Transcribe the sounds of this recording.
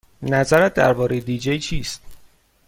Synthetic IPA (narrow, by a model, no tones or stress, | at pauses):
næzæɾæt̪̚d̪æ̰ɾbɒːɾejed̪iːd͡ʒejt͡ʃʰiːst̪